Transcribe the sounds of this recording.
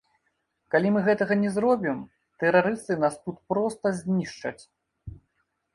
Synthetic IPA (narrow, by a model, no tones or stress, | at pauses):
kalʲimɨɣɛt̪ɐɣɐnʲɛzrɔbʲim | t̪ɛɾaɾɨst̪ɨnast̪ut̪pɾɔst̪ɐzʲnʲiʂt͡ʂɐ̰t͡sʲ